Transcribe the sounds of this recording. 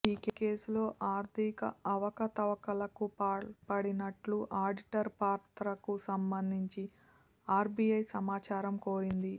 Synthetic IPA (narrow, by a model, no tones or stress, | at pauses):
iːkeke̞ːsulo̞ːʔaːɾt̪ʰikɐ̰ɐʋɐkɐt̪ɐʋɐkɐlɐkupaːɭpɐɽinɐʈluʔaːɾɖiʈɐɾpaːɾt̪ɾɐkusɐmbɐnd̪ʱiɲt͡ʃi | aːɾbiɐjsɐmaːt͡ʃaːɾɐmkoːɾind̪i